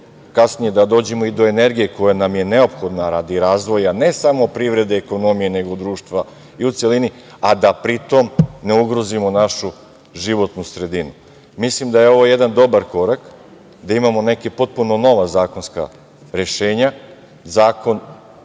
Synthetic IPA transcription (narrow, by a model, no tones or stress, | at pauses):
kasnije̞d̪ad̪o̞ːd͡ʑemo̞id̪o̞e̞ne̞ɾɡije̞ko̞janamje̞ne̞o̞pxo̞d̪naɾad̪iɾaːzʋo̞jane̞samo̞pɾiʋɾe̞d̪eːko̞no̞mijene̞ɡod̪ɾuːʃt̪ʋa | iut̪se̞lini | ad̪apɾit̪o̞mne̞uɡɾo̞zimo̞naʃu | ʒiʋo̞t̪nusɾe̞d̪inu | mislimd̪aje̞o̞ʋo̞je̞d̪and̪o̞baɾko̞ɾak | d̪aimamo̞ne̞kepo̞t̪̚puno̞no̞ʋazaːko̞nska̰ | ɾe̞ʃe̞ːɲa | zaːko̞n